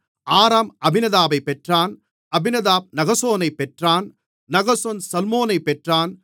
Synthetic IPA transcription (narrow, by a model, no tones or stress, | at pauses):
ʔaːɾaːmɐbɪnɐðaːbɐɪpːɛʈraːn | ɐbɪnɐðaːb̚nɐɣɐsoːnɐɪpːɛʈraːn | nɐɣɐsoːnsɐlmoːnɐɪpːɛʈraːn